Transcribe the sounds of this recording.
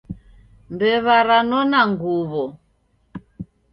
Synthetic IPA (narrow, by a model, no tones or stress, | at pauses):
mbɛβaɾanɔnaŋɡuβɔ